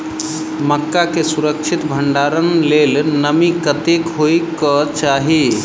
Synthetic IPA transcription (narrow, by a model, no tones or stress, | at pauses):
məkːakesuɾəkt͡ʃʰit̪bʱəɳɖaɾənlelnəmikət̪ekɦojkɔt͡ʃaɦi